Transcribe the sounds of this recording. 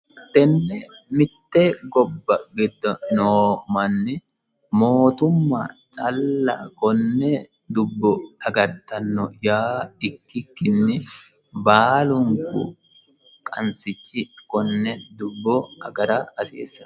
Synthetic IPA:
t̪ːɛnːɛmɪt̪ːɛɡɔbːɐɡɛd̪ːɐnoːmɐnːɛ | moːt̪ʊmːa̰ːt͡ʃʼɐlːɐkɔnːɛ | d̪ʊbːɔɐɡɐɾt̪ːɐnːɔjaːɪkːɪkːɪnːɛ | baːlʊŋkʊ̰ | kʼɐnsɪt͡ʃːɪkɔnːɛd̪ʊbːɔɐɡɐɾaːɐsḛːsːɐ̥

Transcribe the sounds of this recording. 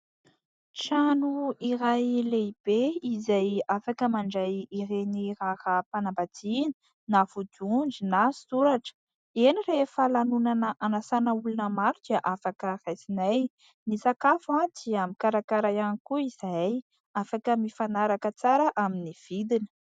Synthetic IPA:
ʈ͡ʂanuiɾajleib̥eizajafakəmaɳɖ͡ʐajirenirahapanambad͡zini | navud̪und͡ʒinasuɾaʈ͡ʂə̥ | enirefəlanunanəʔanasanəulunəmaɾud̪̥iaʔafakərajsinaj | nisakafad̪iamikaɾakaɾajanikuiz̥aj | afakəmifanaɾakət͡saɾəʔaminiv̥id̪inə̥

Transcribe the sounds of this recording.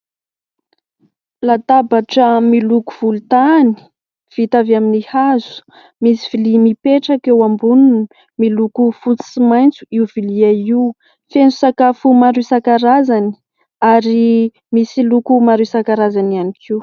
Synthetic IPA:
lat̪abaʈ͡ʂəmiluku̥v̥ulut̪ani̥ | v̥it̪aviaminihazu̥ | misiv̥ilimipeʈ͡ʂakewambunun | milukufut͡si̥simajnt͡suiuviliaiu | fenzusakafumaɾusakaɾazani̥ | aɾi | misilukumaɾusakaɾazanianikʰiw

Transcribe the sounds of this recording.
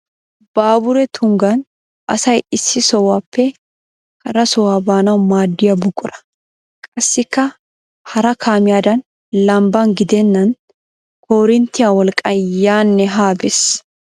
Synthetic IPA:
b̥aːbʊɾɛt̪ʰʊŋɡɐn | ʔɐ̰sɐjɪsːɪsɔwaːpːɛ | kɐɾɐsɔwaːbaːnɐmaːd̪ːɪjɐbʊkʼʊɾɐ̥ | kʼɐsːɪkːɐ | hɐɾɐkʰaːmɪjaːd̪ɐn | lɐmbaŋɡɪd̪enːɐn | kʰɔɾɪnt̪ɪjawɐlkʼɐjaːnːɛɦaːbɛs

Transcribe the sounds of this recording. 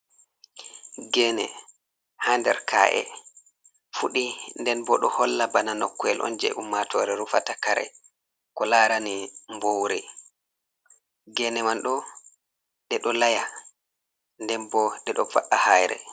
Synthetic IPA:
ɡɛnɛ | handɛɾkʰa̰ːʔɛ̰ | fuɗindɛnbɔɗɔhɔlːabananɔkːɔɛlʔɔ̰nd͡ʒɛ̰ʔumːatʰɔːɾɛɾufatakaɾɛ̰ | kɔlaːɾanimbowɾɛ | ɡɛnɛmanɗɔ | ɗɛɗɔlaja | ndɛnbɔɗɛɗɔva̰ʔahajɾɛ̰

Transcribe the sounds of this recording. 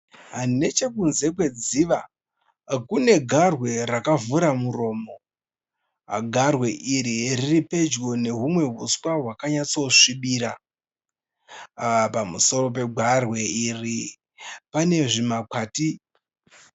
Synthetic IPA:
ɦane̞t͡ʃe̞kunze̞kwe̞d͡ziʋa | kune̞ɡʱarwe̞rakavuɾamuro̞ːmo̞ | ɡʱarwe̞ʔiɾiriripe̞d͡ʒɡo̞ne̞ɦumwe̞ɦuswaɦwakaɲat͡so̞ʂiɓiɾa | pamuso̞ro̞p̬e̞ɡʱarwe̞iri | pane̞ʐimakwaːti

